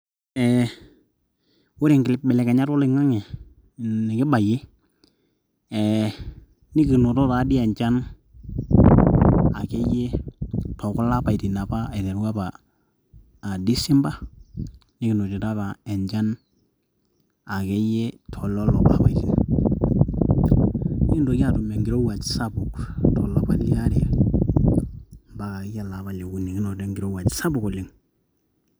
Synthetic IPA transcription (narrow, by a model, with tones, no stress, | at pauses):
ɛ | wʊ˦ɾɪ˨ŋɡɪ˨lɪ˦p̚bɛ˨lɛ˨kɛ˨ɲa˦tɔ˦lɪ˨ŋa˦ŋɛ˨ | ɛ˨kɪ˦ba˨jɪ˦ | ɛ | nɪ˦kɪ˨no˨tɔ˦ta˨˦dɪ˦ɛ˨ɲt͡ʃa˦n | a˨kɛ˦jɛ˦tɔ˨kɔ˦la˦pa˨i˨ti˨na˨pa˦ɛ˨dɛ˨ɾwa˦pa˨ | di˦sɪ˦mba˦ | ni˦kɪ˨no˨ti˨ɾa˦ka˨ɛ˨ɲd͡ʒa˦n | a˨kɛ˦jɛ˦tʰɔ˨lɔ˦lɔ˨pa̰˨pa˨iti˨n | ni˦ki˦ndo˨ka˦tu˨me˨ŋɡɪɾo˦wa˨t͡ʃsa˦bu˨ktɔ˨la˨pa˦li˦a˦ɾi˨a˨ | mba˦ka˨kɛ˦ja˦la˨pa˦le˨ku˨˦ni˨ki˦no˨te˦ŋɡɪ˨ɾo˦wa˨t͡ʃsa˦bu˨ko˨li˦ŋ